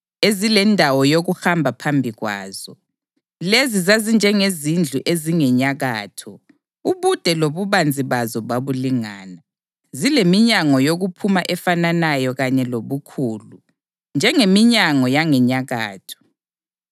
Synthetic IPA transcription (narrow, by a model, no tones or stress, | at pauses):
ezilɛndʱawɔjoɣuxambʱapʰambʱiɣwa̰ːz̥ɔ | lezizazind͡ʒʱɛŋezind͡ɮʱuʔeziŋɛɲaɣaːtʰɔ | uβud̥ʱɛloβuβand͡zʱiβazɔβaβuliŋaːna | zilemiɲaŋɔjoɣupʰumaʔɛfananajɔɣaɲɛloβukʰuːlu | nd͡ʒʱɛŋemiɲaŋɔjaŋɛɲaɣa̰ːtʰɔ̥